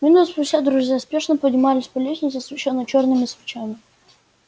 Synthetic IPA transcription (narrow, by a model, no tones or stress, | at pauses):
mʲɪnut̪spʊsʲtʲad̪ɾʊzʲjaspʲe̞ʂnəpədʲnʲɪmalʲɪsʲpɐlʲesʲnʲɪt̪səsvʲɪt͡ɕonːət͡ɕornɨmʲɪsvʲɪt͡ɕamʲɪ